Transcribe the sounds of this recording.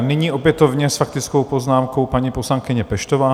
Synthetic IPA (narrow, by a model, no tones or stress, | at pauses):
nɪɲiːʔo̞pjɛt̪ovɲɛsfak̚t̪ɪt͡skowpoznaːmkowpaɲiːposlaŋkɪɲɛpɛʃt̪ovaː